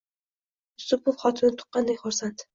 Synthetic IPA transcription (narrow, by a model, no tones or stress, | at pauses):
ʊst̪ʊpʰːʊfχɒt̪ʰʊnɪt̪ʰʊ̥qːɑnd̪ekʲχʊɾsant̪